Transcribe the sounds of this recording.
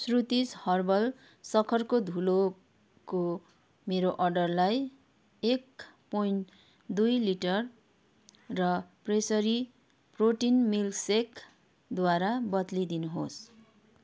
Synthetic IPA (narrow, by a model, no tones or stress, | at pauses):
srut̪ishʌrbʌl | sʌkʰʌrkod̪ʱulo | ko | meɾoʔʌrɖʌrlaj | ek | pojɳʈ | d̪ujliʈʌrː | ʌpresʌɾi | proʈinmilksek | d̪waɾabʌt̪lid̪inuɦos